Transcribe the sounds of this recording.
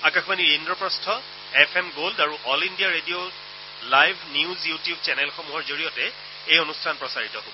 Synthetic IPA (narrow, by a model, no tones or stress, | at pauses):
akaxʰbaniɹindɹɔpɹɔstʰɔ | ɛpʰɛmɡoldaɹuʔɔlindijaɹedio | lajbʱnjiuzjutijubt͡ʃɛnɛlxɔmuɦɔɹzoɹijɔtɛ | ejonustʰanpɹɔsaɹitɔɦo